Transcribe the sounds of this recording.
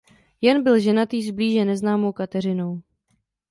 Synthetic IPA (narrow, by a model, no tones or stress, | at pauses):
jɛnbɪlʒɛnat̪iːzbliːʒɛnɛznaːmo̞wkat̪ɛr̝ɪnow